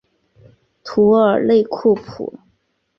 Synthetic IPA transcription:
t̪ʰu˧˥ə˞˨˩le˥˧ɪkʰu˥˩pʰṵ˨˩˦

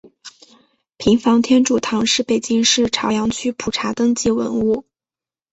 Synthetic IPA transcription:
pʰi˧˥ŋfɑ˧˥ŋt̪ʰjɛ˥nʈ͡ʂu˨˩t̪ʰɑ˧˥ŋʂɻ̩˥˩pe˨˩ɪt͡ɕi˥ŋʂɻ̩˥˩ʈ͡ʂʰɑ˧˥ʊjɑ˧˥ŋt͡ɕʰy˥pʰu˨˩ʈ͡ʂʰa˧˥t̪ɤ˥ŋt͡ɕi˥˩wə̰˧˥nu˥˩

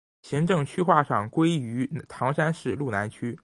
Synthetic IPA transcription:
ɕji˧˥ŋʈ͡ʂɤ˥˩ŋt͡ɕʰy˥xwa˥˧˩ʂɑ˥˨˩ŋkwe˥ɪy˧˥t̪ʰɑ˧˥ŋʂa˥nʂɻ̩˥˧lu˥˩na˧˥nt͡ɕʰy˥

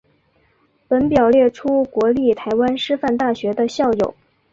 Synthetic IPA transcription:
pə˧˥npjɑ˨˩ʊljɛ˥˩ʈ͡ʂʰu˥kwɔ˧˥li˥˩t̪ʰa˧˥ɪwa˥nʂɻ̩˥fa˥˧nt̪a˥˩ɕɥɛ˧˥d̪ə˧ɕjɑ˥˩ʊjo˨˩˦ʊ

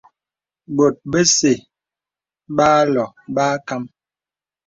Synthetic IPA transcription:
bo˨t̚bə˦se˨ | baː˦lɔ˨ | baː˦ka˦m

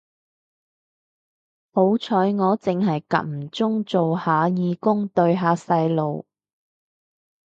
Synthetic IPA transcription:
ho˨˥wt͡sʰɔː˨˧˥jŋɔː˨˧t͡sɪ˨˧ŋɦɐ˨jkɐ̰˨˩m̩˨˩t͡sʊ˥ŋt͡so˨whaː˨˧jiː˨˧kʊ˥ŋt̪ɵ˧ɥɦaː˨˧˥sɐ˧jlo˨w

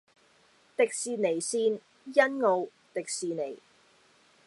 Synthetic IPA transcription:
t̪ɪ˨k̚siː˨ne˨˩jsiː˧n | jɐ˥nŋo˨˧w | t̪ɪ˨k̚siː˨ne˨˩j

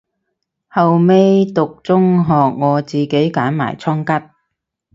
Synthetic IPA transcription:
hɐ˨wme˥jt̪ʊ˨k̚t͡sʊ˥ŋɦɔː˨k̚ŋɔː˨˧t͡siː˨ke˨˥jkaː˨˥nma̰ː˨˩jt͡sʰɔː˥ŋkɐ˥t̚

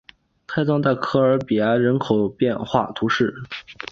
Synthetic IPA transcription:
kʰa˥˧ɪt̪t͡sʰɑ˥ŋt̪a˥˩ɪkʰɤ˥ə˞˧˥pi˨˩ja˧˥ɻə˧˥nkʰo˨˩ʊpjɛ˥˧nxwa̰˥˩t̪ʰu˧˥ʂɻ̩˥˩

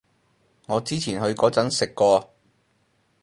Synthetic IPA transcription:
ŋɔː˨˧t͡siː˥t͡sʰiː˨˩nɦɵ˧ɥkɔː˨˥t͡sɐ˨˥nsɪ˨kːɔː˧

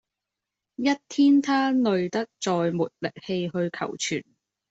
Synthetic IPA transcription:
jɐ˥t̚t̪ʰiː˥nt̪ʰaː˥nɵ˨˧ɥt̪ɐ˥k̚t͡sɔː˨jmuː˨˩t̚lɪ˨k̚he˧jɦɵ˧ɥkʰɐ̰˨˩wt͡ʃʰy̰ː˨˩n

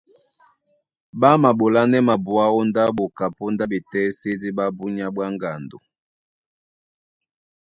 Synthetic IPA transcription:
ba˦ma˨bo˨la˦nɛ˦ma˨bwa˦ɔ˦nda˦bo˨ka˨pu˦nda˦bi˨tɛ˦si˦di˦ba˦bu˦ɲa˦bwa˦ŋɡa˨ndo̰˨

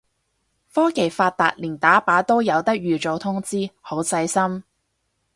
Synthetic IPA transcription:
fɔː˥ke˨˩jfaː˧t̚t̪a̰ː˨˧t̚liː˨˩nt̪aː˨˥paː˨˥t̪o˥wjɐ˨˧wt̪ɐ˥k̚jyː˨t͡so˨wt̪ʰʊ˥ŋt͡siː˥ho˨˥wsɐ˧jsɐ˥m

